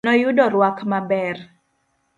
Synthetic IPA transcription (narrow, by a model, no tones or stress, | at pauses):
ɔjudɔrwakmabɛr